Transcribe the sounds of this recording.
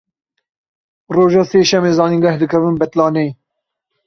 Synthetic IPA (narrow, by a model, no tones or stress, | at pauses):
roːʒɑːseːʃɛmeːzɑːniːɡɐhd̪ɨkʰɛvɨnbɛt̪lɑːneː